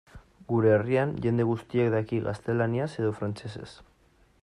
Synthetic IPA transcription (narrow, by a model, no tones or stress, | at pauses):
ɡuɾe̞ːrianʝe̞nd̪e̞ɣust̪iekd̪akiɣa̰st̪e̞laniase̞ðofɾant͡se̞se̞̰s